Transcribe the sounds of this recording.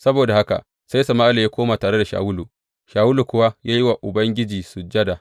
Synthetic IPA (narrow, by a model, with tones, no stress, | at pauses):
sɐ˦boː˨da˨ha˦ka̰˨ | sa˦jsɐ˨maː˦ʔa˦la˨jaː˦kʷoː˦maː˨taː˨ɽe˦da˨ʃa̰ː˨wʊ˦lu˨ | ʃaː˨wʊ˦lu˨kʷʊ˦wa˦jaː˦jɪ˦wa˨ʔʊ˨bɐ˦ŋɡʲɪ˦d͡ʒiː˨sʊ˨d͡ʒɐ˦da˨